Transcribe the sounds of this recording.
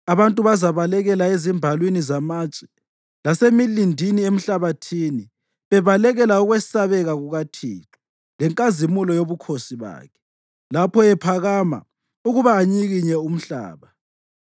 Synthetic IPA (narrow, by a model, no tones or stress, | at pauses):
aβantʼuβazaβalɛɣɛlaezimbʱalwinizamaːt͡ʃʼɛ̥ | lasemilindʱiniem̩ɬaβatʰiːni | βɛβalɛɣɛlauɣwɛsaβɛɣaɣuɣatʰiːǁu̥ | lɛŋkʼazimulɔjoβukʰosiβa̰ːkʰɛ̥ | lapʰɔɛpʰaɣama̰ | uɣuβaːɲiɣiɲɛum̩ɬa̰ːβa